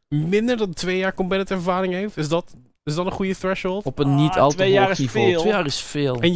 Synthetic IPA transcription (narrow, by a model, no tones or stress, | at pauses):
mɪndəɹdɑntʋejaːɹkɔmbɛtətɛɹvaːɾɪŋɦejftɪsdɑt | ɪsdɑtə̃nχujəθɹɛʃholˠtɔpənːitʰɑ̰lˠtʋeanivoeːlejaːɾɪsfeːlˠɛn